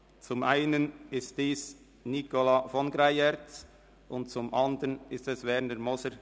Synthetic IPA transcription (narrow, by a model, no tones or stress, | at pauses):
t͡sʊmʔaɪnənɪstd̥iːs | nikolɑfɔnɡɾaɪɛɾt͡s | ʔʊnt̚t͡sʊmʔɑndəɾənɪstɛsvɛɾnəmɔsəɾ